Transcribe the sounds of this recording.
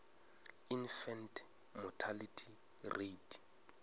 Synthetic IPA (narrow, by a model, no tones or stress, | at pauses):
infɛntʰ | mɔtʰalitʰi | red